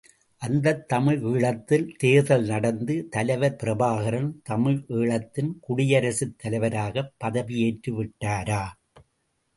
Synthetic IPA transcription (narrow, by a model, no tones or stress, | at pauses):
ʔɐnd̪ɐt̪ːɐmɪɻiːɭɐt̪ːɪlt̪eːðɐlnɐɽɐnd̪ɯt̪ɐlɐɪʋɐɾpɪɾɐbaːɣɐɾɐnt̪ɐmɪɻiːɭɐt̪ːɪnkʊɽɪjɐɾɐsɯt̪ʰːɐlɐɪʋɐɾaːɣɐpːɐðɐʋijeːʈrɯʋɪʈːaːɾaː